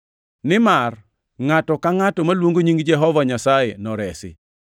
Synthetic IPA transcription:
nɪmar | ŋatɔkaŋatɔmalwoŋɡoɲiŋɡd͡ʒɛɦɔvaɲasajenɔɾɛsɪ̰

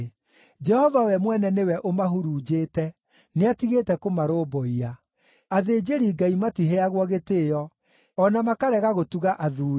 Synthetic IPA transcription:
d͡ʒɛhɔvawɛmwɛnɛnewɛʔomaɦuɾuːd͡ʒeːtɛ | neatiɣeːtɛkomaɾoːbɔia | aðeːd͡ʑeɾiɡaimatiɦeaɣwɔɣeteːjɔ | ɔnamakaɾɛɣaɣotuɣaʔaðuːɾ

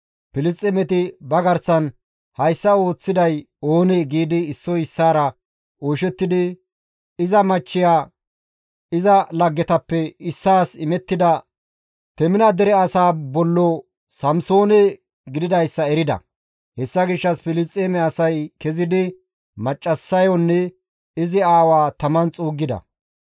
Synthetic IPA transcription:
pɪlɪs̬tʼɛmɛt̪ɪbɐɡɐɾsɐn | hɐjsːɐo̞ːt͡sːɪd̪ɐj | o̞ːnɛɡiːd̪ɪːsːɔɪsːaːɾɐ | oːʃɛt̪ːɪd̪ɪ | ɪzɐmɐt͡ʃːɪjaː | ɪzɐlɐɡːɛt̪ɐpːɛɪsːaːsɪmɛt̪ːɪd̪ɐ | t̪ɛmɪnɐd̪ɛɾɛɐsaːbɔlːɔ | sɐmso̞ːnɛ | ɡɪd̪ɪd̪ɐjsːɐɛɾɪd̪ɐ̰ | hɛsːɐɡɪʃːɐsfɪlɪs̬t̪ʼːeːmɛɐsɐjkɛzɪd̪ɪ | mɐt͡ʃʼːɐsːɐjɔnːɛ | ɪzɪaːwaːt̪ɐmɐnt͡sʼuːɡːɪd̪ɐ̰

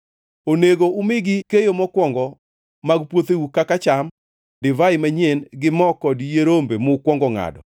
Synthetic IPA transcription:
oneɡoʔʊmɪɡɪkejomɔkwɔŋɡɔ | maɡpwot̪ewukakat͡ʃam | dɪvaɪmaɲenɡɪmɔkɔdjeɾombemʊkwɔŋɡɔŋa̰dɔ̰

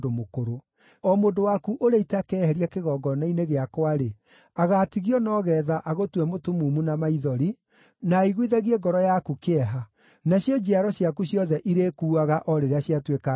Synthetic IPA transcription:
domokoɾo | ɔmoːndowakuʔoɾeitɛakɛːhɛɾiakeɣɔːɡɔnaineɣeakwaɾe | aɣatiɣiɔnɔɣɛðaʔaɣotwɛmotumuːmunamaiðɔɾi | naiɣwiðaɣiɛɡɔɾɔjakukeɛɦa | naɕjɔd͡ʒɛaɾɔɕjakuɕjɔðɛʔiɾekuːaɣaʔɔɾeɾeaɕiatweka

